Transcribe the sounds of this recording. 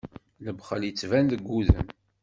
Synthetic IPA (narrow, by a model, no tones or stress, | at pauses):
ləbχəljət͡sːvænðəɡʷːuðə̰m